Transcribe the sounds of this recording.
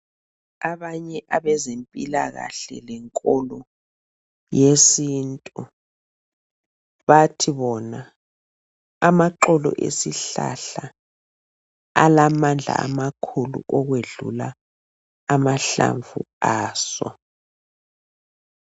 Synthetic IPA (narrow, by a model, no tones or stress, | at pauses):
aβaɲɛʔaβɛzempʼilaɣa̰ɬɛ̰lɛŋkʼɔlɔ | jesiːntʼu | βatʰiβɔna | amaǃɔlɔ̰ʔḛsiɬa̰ɬa | alamand͡ɮʱa̰amakʰulṵʔɔɣweɮulaː | maɬa̰ɱvuaːsɔ̰